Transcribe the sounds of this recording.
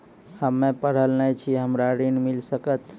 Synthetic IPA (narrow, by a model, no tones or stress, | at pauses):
həmːẽpəɽ̤əlnət͡ʃʰiɦəmɾaɾinmilsəkət̪